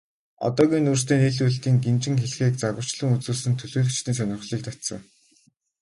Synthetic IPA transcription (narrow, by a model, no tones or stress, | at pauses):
ɔ̰t̪ɔːɣʲiːnuːr̥st̪eːneɮuɮt̪iːŋɡemt͡ɕɪ̆ŋxeɮxiːk̚t͡saɣə̆w̥t͡ɕɮɘ̆ŋut͡suːɮsɘ̆nt̪ʰɵɮuːɮɵ̆kt͡ɕt̪iːns̬œnʲɪ̆rχɮiːk̚t̪ʰat̪sə̰̆ŋ